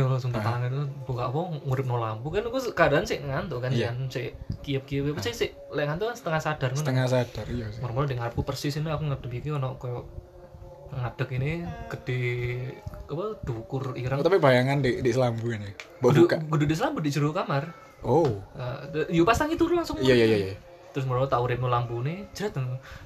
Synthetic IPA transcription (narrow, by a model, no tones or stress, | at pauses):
lsumt̪at̪aŋant̪ubukaʔpɔŋuɾɪp̚nolambukankuskaadaansɪʔŋant̪ʊkanansɪkiəp̚kiəppəsɪsɪʔ | lɛŋant̪ukansət̪əŋahsad̥arksut̪əŋasad̥arjomɔrmɔldiŋaɾap̚kupərsɪsinakuŋad̥əbikiɔnɔkɔjɔʔ | ŋad̥əkinɪɡ̥əd̥i | apəd̥ukʊriɾəŋt̪apibajaŋandeʔdisəlambuanɪmbadkaɡududiʔs̬əlambudiʔd͡ʒəɾukamar | oajupast̪aŋit̪uɾulaŋsʊŋjajajaja | t̪ɾʊs̬mɔɾmɔt̪auɾɪp̚nulampunɪd͡ʒəɾat̪əŋ